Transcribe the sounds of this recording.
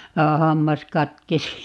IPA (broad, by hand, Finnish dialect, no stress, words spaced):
jɑ hɑmːɑs kɑtkesi